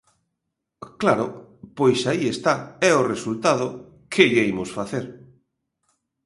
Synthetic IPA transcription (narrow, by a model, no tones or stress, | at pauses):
klaɾʊpojsaiest̪aɛoresult̪að̞ʊ | kʰeʎeimʊsfaθeɾ